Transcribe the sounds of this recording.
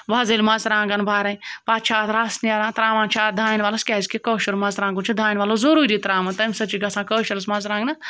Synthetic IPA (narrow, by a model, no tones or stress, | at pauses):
ʋɐzelʲmɐzɾãːŋɡɐnbʱaːɾɐipaːt͡ʃʰaːt̪ɾasnʲaːɾãːt̪ɾaːʋãːnt͡ʃʰaːt̪̚d̪ʱaːinʋaːlɐskʲɛːzʲkekoːʃɐɾmɐzɾãːŋɡunt͡ʃʰid̪ʱaːjnʲʋaːlozɐɾuːɾit̪ɾaːmɐnt̪ɐmʲsɐt͡ʃiɡɐsãːkəːʃɐɾsmɐzɾãːɡnɐ